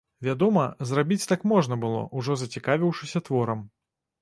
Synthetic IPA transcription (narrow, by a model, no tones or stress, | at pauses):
vʲad̪ɔmɐzrabʲit͡sʲt̪akmɔʐnɐbɨlˠɔ̰ʔuʐɔzɐt͡sʲikavʲiwʂɨsʲɐt̪vɔɾɐm